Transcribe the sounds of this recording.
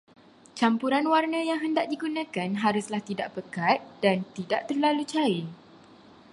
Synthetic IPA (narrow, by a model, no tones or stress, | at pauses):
t͡ʃampuɾanwarnə̃jaŋɦəndaʔdiɡunə̃kanɦaɾʊslaht̪idaʔpəkat̪̚d̥ant̪idaʔt̪ərlalut͡ʃai